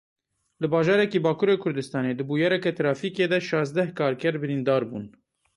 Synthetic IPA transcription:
lɨbɑːʒɑːɾɛkiːbɑːkʰuːɾeːkʰʊɾd̪ɨst̪ɑːneːd̪ɨbuːjɑɾɛkɛt̪ɾɑːfiːkeːd̪ɛʃɑːzd̪ɛhkʰɑːɾkɛɾbɨɾiːnd̪ɑːɾbṵːn

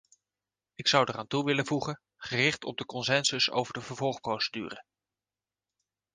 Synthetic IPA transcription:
ɪksʌwdəraːntuʋɪləvuχən | χərɪχtɔ̰b̚dəkɔnsɛnsəso̰wvəɹdəvəɹvɔlˠχprowsədyːrə

